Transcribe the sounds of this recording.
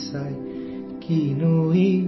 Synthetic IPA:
saj | kʰinuhi

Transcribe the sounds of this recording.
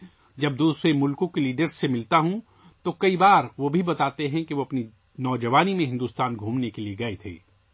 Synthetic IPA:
d͡ʒɐb̚d̪uːsɾemʊlkõkeliːɖəɾzːemɪlt̪aɦũ | t̪okɐibaːɾʋobʱibɐt̪aːt̪eɦɛ̃kiʋoɐpni | nɔːd͡ʒɐʋaːnimẽɦɪ̃nd̪uːst̪aːnɡʱũːmnekelieɡɐet̪ʰḛː

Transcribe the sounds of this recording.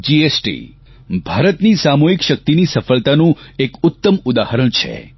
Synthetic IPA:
d͡ʒiesʈḭ | bʱaɾət̪nisamoɦikʃək̚t̪inisəfəlt̪anũekʊt̪ːəmʊd̪ahəɾəɳ̃t͡ʃʰḛ

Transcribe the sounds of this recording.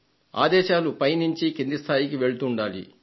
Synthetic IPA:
a̰ːd̪ɛːʃaːlupɐjniɲt͡ʃikend̪ist̪ʰaːjikiʋe̞ɭut̪uːɳɖaːlḭ

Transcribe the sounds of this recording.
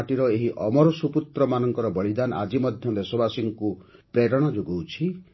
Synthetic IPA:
ʈiɾɔeɦiʔɔmɔɾɔsuput̪ɾɔmanɔŋkɔɾɔbɔɭid̪anʔa̰d͡ʒimɔd̪ʱjɔd̪esɔbasiŋku | pɾeɾɔɽ̃ɔd͡ʒoɡɔwt͡ʃʰi

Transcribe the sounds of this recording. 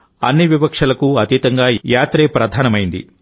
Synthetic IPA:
ɐ̰nːiʋipɐkʂɐlɐkuɐt̪it̪ɐŋɡaːjaːt̪ɾeːpɾɐd̪ʱaːnɐmɐjind̪ḭ

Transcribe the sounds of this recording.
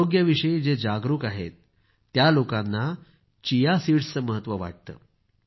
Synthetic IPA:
oɡjəʋiʂəid͡zed͡ʑaɡɾuːkaɦḛt̪ː | jalokanːa | t͡ɕijasiɽt͡səməɦət̪ʋəʋa̰ʈ̚t̪ə̰ː

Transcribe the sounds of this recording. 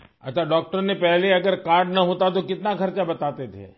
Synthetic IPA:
ə̰t̪ʰʋaɖɔk̚ʈəɾnepɛɦleəɡəɾkaɾɖnəɦõt̪at̪̬okɪt̪nakʰəɾt͡ʃabət̪at̪et̪ʰḛ

